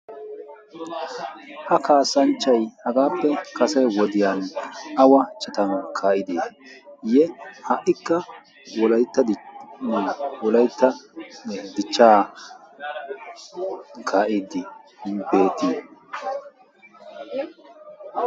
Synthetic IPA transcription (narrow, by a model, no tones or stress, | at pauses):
ʔɐkaːsɐnt͡ʃːɐjhɐɡaːpːɛkɐsɐjwɔd̪ɪjaːnʔɐwɐt͡ʃʼɛt̪ɐnkʰaːʔɪd̪eːjɛhɐʔɪkːɐ | wɔlɐjt̪ːɐd̪mɐlɐwɔlɐjt̪ːɐ | d̪ɪt͡ʃːaː | kʰaːʔɪd̪ɪbe̞ːt̪ɪ